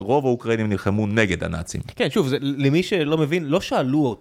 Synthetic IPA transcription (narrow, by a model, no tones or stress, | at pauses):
ʁo̞vaukʁainimnilχemune̞ɡe̞d̪a̰na̰t͡sḭmkenʃuvzelemiʃelo̞me̞vinlo̞ʃaːluot